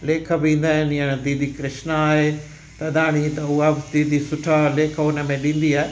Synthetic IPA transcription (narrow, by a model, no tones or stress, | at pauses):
leːkʰəbĩːn̆d̪aːɦɪnɪəɽ̃d̪iːd̪ʱikɾɪʃnaːɦe | t̪ɐd̪ʱaːɽ̃it̪ɐʊad̪iːd̪ʱisʊʈʰaleːkʰəʊnə̆mẽɗĩːn̆d̪iaːɦe